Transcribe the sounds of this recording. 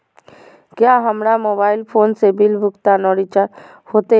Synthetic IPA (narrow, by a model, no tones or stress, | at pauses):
kjaɦəmɽamoːbaːɪlpʰoːnsebɪlbʱʊkt̪anɔɽit͡ʃa | hoːt̪e